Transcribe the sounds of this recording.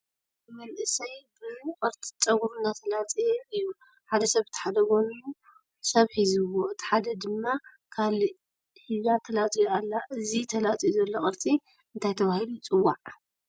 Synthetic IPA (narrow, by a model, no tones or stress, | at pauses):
mɐlʔɨsɐjbɨkʼɨɾt͡sʼi̥t͡sʼɐɡuɾunːat̪ʰɐlat͡sʼijɛɨjːu | ħad̪ɐsɐβɨt̪ʰħad̪ɐɡo̞nuju | sɐβħizɨwoɨt̪ʰi̥ħad̪ɐd̪ɨmːa | kʰal | hizat̪ʰɐlat͡sʼijalːaʔɨzit̪ʰɐlat͡sʼijzɐlːoχʼɨɾt͡sʼi | ɨnt̪ʰajt̪ʰɐβahilut͡sʼɨwːaʕ